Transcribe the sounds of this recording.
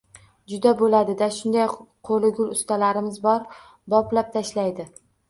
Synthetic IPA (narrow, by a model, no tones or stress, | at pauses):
d͡ʒʊd̪abolad̪ɪd̪aʃʊnd̪ajqʰolɪɡʲʊlʊst̪ʰalaɾɪmɪzbɒɾ | bɒplap̚t̪ʰaʃlajd̪ɪ